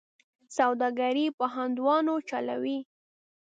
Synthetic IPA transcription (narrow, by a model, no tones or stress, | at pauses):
sawd̪ɑɡaɾipəɦand̪wɑnot͡ʃala̰wi